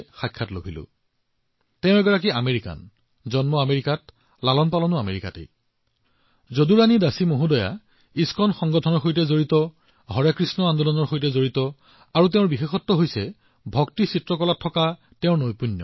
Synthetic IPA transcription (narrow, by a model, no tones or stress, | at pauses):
xajkʰːatlobʱilʊ̰ | tɛʊ̃ɹɛɡɔɹak̬iameɹika̰n | zɔnmɔameɹikat̚ | lalɔnpalɔnʊameɹika̰tḛj | zoduɹanidasimoɦũdɔja̰ | iskʰɔnxɔŋɡɔtʰɔnɔɹxojtɛzoɹitɔ | ɦɔɹakɹisnɔandɔlɔnɔɹxojtɛzoɹitɔ | aɹut̬ɛʊ̃ɹbixexɔtːɔɦojsɛ | bʱɔktisitɹɔkɔlatʰːɔka | tɛ̃ʊ̃nojpunːɔ̰